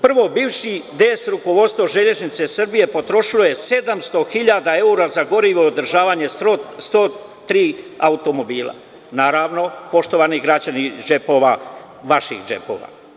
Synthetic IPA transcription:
pr̩ʋo̞biːʋʃid̪esɾuko̞ʋo̞d̪st̪ʋoʒe̞ʎe̞ʒnit̪se̞srbije̞po̞t̪ɾo̞ʃilo̞je̞se̞d̪amst̪o̞xiʎaːd̪ae̞uɾazaɡo̞ɾiʋood̪r̩ʒaːʋaːɲe̞st̪oːt̪ɾiːaut̪o̞mo̞biːlˠa̰ | naːɾaːʋno̞po̞ʃt̪o̞ʋaːniɡɾad͡ʑanid͡ʒepo̞ːʋa | ʋaʃḭxd͡ʒe̞̰po̞̰ːʋa̰

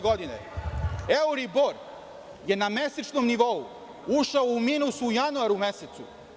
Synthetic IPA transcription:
ɡod̪inḛ | euɾiboɾ | je̞name̞set͡ʃnomniʋo̞u | uʃaoumiːnusuujanuaɾuume̞set̪sṵ

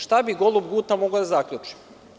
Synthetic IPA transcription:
ʃt̪abiɡo̞lˠubɡuːt̪amoɡod̪azakʎʲut͡ʂi̥

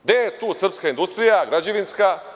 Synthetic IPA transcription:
d̪ejet̪uːsr̩pskaind̪ust̪ɾijaɡɾad͡ʑeʋinska

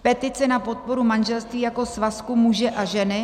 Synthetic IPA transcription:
pɛt̪ɪt͡sɛnapo̞t̪̚po̞ɾumanʒɛlst̪viːjako̞svaskumuʒɛʔaʒɛnɪ

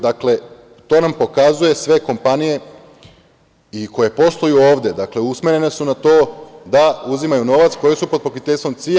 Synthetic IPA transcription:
d̪akle̞ | t̪o̞ːnampo̞kazuje̞sʋe̞ko̞mpanije̞ | iko̞je̞po̞st̪ojuoːʋd̪e̞d̪akle̞usmeɾe̞ne̞sunat̪o̞ːd̪auzimajuno̞ʋat̪sko̞jesupod̪̚pokit̪eʎʲst̪ʋo̞mt̪si

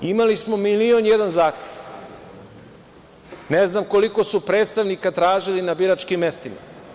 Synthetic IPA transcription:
imalismo̞milionjed̪anzaːxt̪ʲjeʋ | neznamko̞liko̞supɾe̞ːt̪st̪aʋnikat̪ɾaːʒilinabiɾat͡ʃkimːe̞st̪ima̰

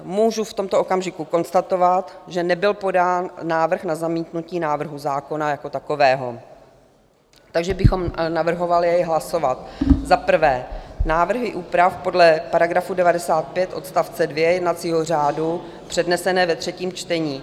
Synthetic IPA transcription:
muːʒuft̪omt̪oʔokamʒɪkuko̞nst̪at̪o̞vat̪ʒɛnɛbɪlpo̞daːnːaːvr̩xnazamiːt̪nuciːnaːvr̩ɦuzaːko̞najako̞t̪ako̞vɛːɦo̞ | t̪aɡʒɛbɪxo̞mnavr̩ɦo̞valɪjɛjɦlaso̞vat̪zapr̩vɛːnaːvr̩ɦɪʔuːpɾafpo̞dlɛpaɾaɡɾafudɛvadɛsaːt̪̚pjɛt̪ʔo̞t̪st̪aft͡sɛdvjɛjɛdnat̪t͡siːɦo̞r̝aːdu | pr̥ɛdnɛsɛnɛːvɛt̪r̝̥ɛciːmt͡ʃt̪ɛɲiː

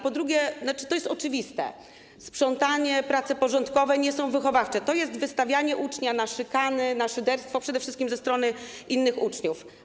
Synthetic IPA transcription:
pɔd̪ɾuɡʲɛnat͡ʂɘ̥t̪ɔjɛst̪ɔt͡ʂɘvʲist̪ɛ̰ | spʂɔnt̪aɲɛpɾat̪sɛpɔʐɔnt̪kɔvɛɲɛsɔ̃w̃vɘxɔvaft͡ʂɛt̪ɔjɛst̪vɘst̪avʲjaɲɛʔut͡ʂɲanaʂɘkanɘnaʂɘd̪ɛɾst̪fɔpʂɛd̪ɛfʂɘst̪̚kʲimzɛst̪ɾɔnɘ | ʔinːɘxut͡ʂɲuf

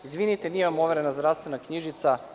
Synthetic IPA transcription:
izʋinit̪eniemamo̞ʋe̞ɾenazd̪ɾaʋst̪ʋe̞nakɲiʒit̪sa

